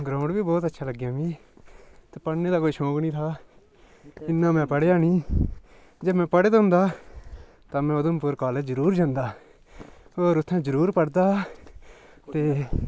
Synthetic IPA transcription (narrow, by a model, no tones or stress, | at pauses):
ɡɾãːʊɳɖbiːbɔːt̪ətːʃʰaːləɡjãːmĩː | t̪eːpəɽneːd̪aːkoːiːʃõːɡnĩːt̪ʰaː | ɪnːaːmɛ̃ːpəɽjaːnĩː | d͡ʒeːmɛ̃ːpəɽeːd̪ɦʊ̃nd̪aː | t̪ãːmɛ̃ːʊd̪ompʊɾkaːleːd͡ʒəɾuːɾd͡ʒãːnd̪aː | oːɾʊt̪ʰːɛ̃ːd͡ʒəɾuːɾpəɽd̪aː | t̪eː